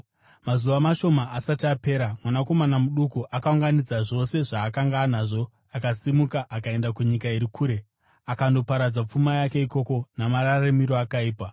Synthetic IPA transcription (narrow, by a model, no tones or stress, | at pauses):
mazuʋamaʃo̞maasatiape̞ːɾamwanako̞manamuɗukuʔakauŋɡanid͡zaʐo̞se̞ʐaːkaŋɡanaʐo̞ | akasimukaʔakae̞ndakuɲikaiɾikʰuːɾe̞ | akando̞paɾad͡zap͡fumajake̞iko̞ko̞namaɾaramiɾo̞akaiːpa